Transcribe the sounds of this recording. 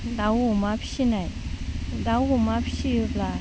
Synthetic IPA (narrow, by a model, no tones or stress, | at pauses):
d̪awomapɕinad̪awomapɕijøp̚la